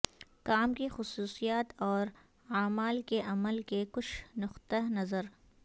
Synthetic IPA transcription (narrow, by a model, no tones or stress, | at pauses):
kaːmkixʊsuːsijaːt̪ɔːɾ | aːmaːlkeʔɐməlkekʊt͡ʃʰnʊqt̪əɦnɐzəɾ